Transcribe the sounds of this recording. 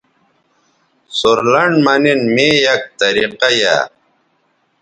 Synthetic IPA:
soɾlɐɳɖmɐninmeːjɐk̚t̪ɐɾiqaja̰

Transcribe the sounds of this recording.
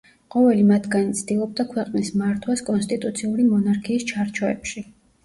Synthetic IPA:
qʼɔvɛlimat̪ʰɡanit̪sʰd̪ilˠɔb̚d̪akʰwɛqʼnismaɾt̪ʰwaskʼɔnst̪ʼit̪ʼut̪sʰiuɾimɔnaɾkʰiːst͡ʃʰaɾt͡ʃʰɔɛ̰pʃi

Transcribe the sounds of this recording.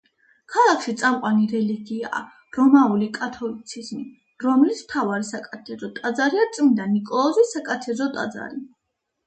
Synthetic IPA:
kʰalˠakʰʃit̪sʼamqʼwaniɾɛliɡia̰ː | ɾɔmaulikʼat̪ʰɔlit̪sʰizmi | ɾɔmlismt̪ʰavaɾisakʼat̪ʰɛzɔt̪ʼad̪zaɾiaɾt̪sʼmid̪anikʼɔlˠɔzisakʼat̪ʰɛzɔt̪ʼa̰d̪za̰ɾi

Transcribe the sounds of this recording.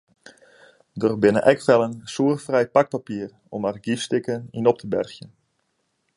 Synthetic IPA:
dərbɪnə̰ʔɛkʋɛlˠənsuərfrɛjpak̚papiər | ɔmarɡifstɪkəninɔp̚tʰəbɛ̰rxjən

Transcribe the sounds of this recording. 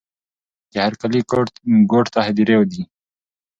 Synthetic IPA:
kehaɾkalikɡoːʈt̪aɦɪd̪iɾewd̪i

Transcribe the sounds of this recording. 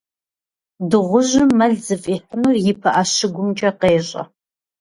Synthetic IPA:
dɨʁʷʊʑɪːɐɮzɨfʼiːħənurjɪpʰɐʔɐɕɪɡʷʊmt͡ʃʼɐqeːɕʼɐ̰

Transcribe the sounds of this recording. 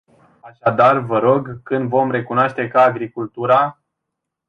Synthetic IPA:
aʃad̪arvəɾo̞ɡkɨnd̪vo̞mɾe̞kunaʃt̪e̞kaːɡɾikult̪uɾa

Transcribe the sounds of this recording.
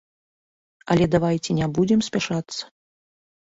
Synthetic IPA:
ɐ̰lʲɛd̪avajt͡sʲɛnʲɛbud͡zʲɛmsʲpʲaʂat̪sːɐ̥

